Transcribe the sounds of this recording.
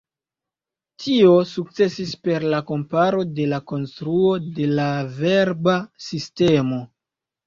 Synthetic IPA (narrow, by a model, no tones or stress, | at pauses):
tʰio̞suk̚t͡se̞sispe̞ɾlako̞mpaɾo̞de̞lako̞nstɾuo̞de̞lave̞ɾbasiste̞mo̞